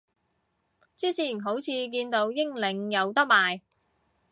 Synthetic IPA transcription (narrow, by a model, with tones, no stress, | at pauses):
t͡siː˥t͡sʰiː˨˩nɦo˨˥wt͡sʰiː˨˧k̬iː˧nt̪o˧wjɪ˥ŋlɪ˨˧ŋjɐ˨˧wt̪ɐ˥k̚maː˨j